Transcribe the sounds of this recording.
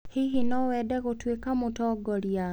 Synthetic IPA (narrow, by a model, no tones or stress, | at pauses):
hiɦinɔwɛːdɛɣotwekamutɔɡɔlja